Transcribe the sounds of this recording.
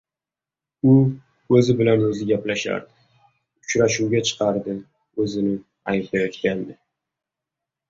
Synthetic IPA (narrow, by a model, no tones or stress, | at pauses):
ʊ | ɵzɪbɪlanɵzɪɡʲaplaʃa̰ɾd̪ɪ | ʊ̥t͡ʃɾaʃuwɡʲat͡ʃʰɨ̥qʰɑɾd̪ɪ | ɵzɪnɪ | ajplajɒt̪kʲand̪ɪ